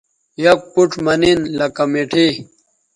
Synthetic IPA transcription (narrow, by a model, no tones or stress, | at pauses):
jɐkpuʈ͡ʂmɐninlɐkɐmeʈʰi